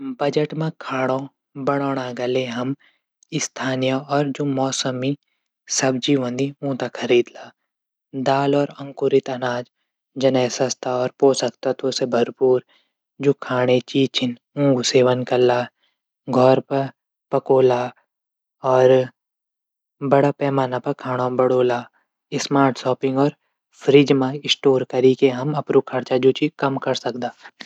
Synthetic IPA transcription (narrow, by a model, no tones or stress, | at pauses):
bɐd͡ʒəʈmãkʰaːɽ̃õ | bɐɽ̃ɔːɽ̃aɡɐleɦɐm | ɪst̪ʰaːnijaɔːɾd͡ʒoːmɔːsəmi | sɐb̚d͡ʒiːʋə̃nd̪iũːt̪akkʰɐɾiːd̪laː | d̪aːlɔːɾɐ̃ŋkʊɾɪt̪ɐnaːd͡ʒ | d͡ʒɐnɛːsɐst̪ʰaɔːɾpoːsɐkt̪at̪oːsebʱɐɾpuːɾ | d͡ʒoːkʰaːɽ̃et͡ʃiːt͡ʃʰɪn | ũːɡseːʋənkɐlːaː | ɡʱɔːɾpɐɾ | pɐkoːla | ɔːɾ | bɐɽapɛːmaːnapɐkʰaːɽ̃ãbɐɽoːlaː | ɪsmaːɾʈsɔːpɪ̃ŋɡɔːɾ | fʰɾid͡ʒmãɪsʈoːɾkɐɾikeɦɐmɐpɾukʰɐɾt͡ʃad͡ʒoːt͡ʃikɐmkɐɾsɐkd̪aː